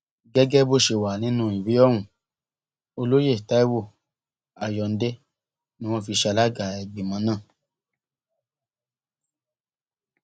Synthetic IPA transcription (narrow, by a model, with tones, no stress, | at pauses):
ɡɛ˦ɡɛ˦bo˧˨ʃe˨wa˨nĩ˦nũ˦i˨wi˨˦ɔ˦˨w̃ũ˨ | o˧lo˦je˦˨ta˦i˦wo˦˨ | a˨jɔ˨n̩˦de˦ | nĩ˦w̃ɔ̃˧fi˧ʃa˧la˦ɡa˨ɛ˨ɡ͡be˨mã˨˦nãː˦˨